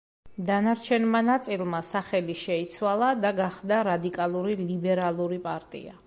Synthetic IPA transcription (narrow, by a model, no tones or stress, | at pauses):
d̪anaɾt͡ʃʰɛnmanat̪sʼilˠmasaχɛliʃɛit̪sʰwalˠad̪aɡaχd̪aɾad̪ikʼalˠuɾilibɛɾalˠuɾipʼaɾt̪ʼḭa̰